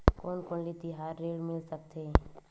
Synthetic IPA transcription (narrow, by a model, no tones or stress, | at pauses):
koːnkoːnlit̪iɦaːɾːeːɽmɪlsək̚t̪eː